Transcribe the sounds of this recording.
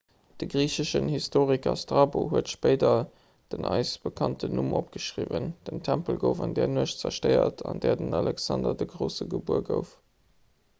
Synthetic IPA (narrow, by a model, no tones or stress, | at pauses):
d̥əɡʁiːɕəʃənhistʰoːʁikɐstʁɑːboɦuətʃpɜɪdɐ | d̥ənʔɑɪsb̥əkʰɑntʰənumʔopɡ̥əʃʁiːvənd̥əmtʰæmpəlɡəʊfɑndɛːɐnuəʃt͡sɐʃtəɪɐ̰tʰɑndɛːɐdənɑlɛksɑndɐdəɡʁəʊsəɡəbuɐɡəʊf